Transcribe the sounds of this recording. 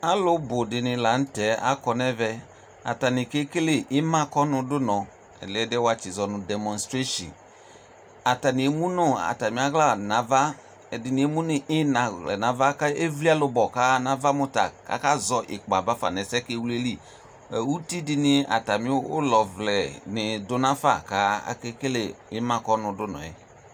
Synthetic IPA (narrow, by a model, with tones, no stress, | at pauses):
a˦lʊ˦bʊ˨dɪ˨nɪ̃˨la˨˦n̩˦tɛ˨˦a̰˦kɔ˨nɛ˦vɛ˧ | a̰˨ta˨nɪ̃˨ke˦ke˦le˦˨ʔɪ˦mã˦kɔ˦nʊ̃˧dʊ˦nɔ̃˨ | ɛ̰˨ldɛ˦wa˦t͡ʃi˨zɔ˨nʊ̃˨dɛ˨mɔ̃˨nstɾe˦ʃḭ̃˨n | a˨ta˨nɪ̃˨˦mũ˦nʊ˦a̰˨ta˨mĩ˨˦a˦ɣla˦˨nã˨va˦ | ɛ˨dɪ˨nɪ̃˨˦e˦mũ˦nɪ˨ʔɪ˦na˨lɛ̰˨nã˨va˦ka˦e˦vli˦a˦lʊ˧bɔ˨ka˦nã˦va˦mʊ˦ta̰˨ka̰˦ka˦zɔ˨ʔɪ̰˨k͡pa˨va˦fa̰˨nɛ˨sɛ˦ke˦wu˦le˦li˦˨ | ɛ˨wu˦ti˦dɪ˦nɪ˦a̰˨ta˨mĩ˦ʊ̰˦lɔ˨vlɛ˨nɪ˨dʊ˦nã˦fa̰˦˨ka˦a̰˦kɛ˦ke˦le˨ɪ˦mã˦kɔ˦nʊ̃˨dʊ˦nɔ̰̃˨ɛ˨